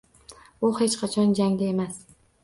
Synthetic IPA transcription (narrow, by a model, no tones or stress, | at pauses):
bʊhet͡ʃqʰɑt͡ʃʰɒnd͡ʒaŋd̪ae̞mas